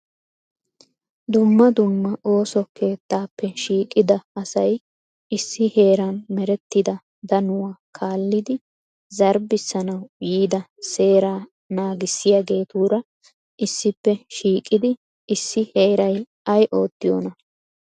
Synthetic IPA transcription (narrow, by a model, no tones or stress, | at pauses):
d̪ʊmːɐd̪ʊmːɐʔo̞ːsɔke̞ːt̪ːaːpːɛʃiːkʼːɪd̪ɐɐsɐj | ɪsːɪhe̞ːɾɐnmɛɾɛt̪ːɪd̪ɐ | d̪ɐnʊwakʰaːlːɪd̪ɪ | zɐɾbɪsːɐnɐwjiːd̪ɐse̞ːɾaː | naːɡɪsːɪjaɡe̞ːt̪uːɾɐ | ʔɪsːɪpːɛʃiːkʼːɪd̪ɪ | ɪsːɪhe̞ːɾɐj | ʔɐjʔo̞ːt̪ːɪjo̰ːnɐ